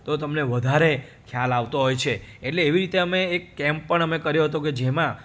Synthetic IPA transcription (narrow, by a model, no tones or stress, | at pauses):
t̪ot̪əmneʋəd̪ʱaɾe | kʰjalaʋt̪oɦojt͡ʃʰeːʈleːʋiɾit̪eəmeːkːɛmpːəɳəmekəɾjoɦət̪oked͡ʒemã